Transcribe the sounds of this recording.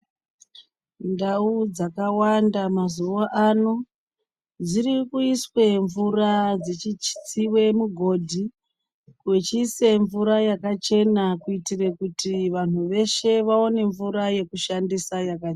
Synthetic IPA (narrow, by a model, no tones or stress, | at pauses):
ndaud͡zakawandamazuwaʔano | d͡zirikuiswe̞ɱvurad͡zet͡ʃit͡ʃi̥t͡siwe̞muɡʱo̞dʱi | kwet͡ʃise̞ɱvuɾajakat͡ʃe̞nakuitirekutiʋan̤uʋe̞ʃe̞ʋao̞ne̞ɱvuɾaje̞kuʃandisajaka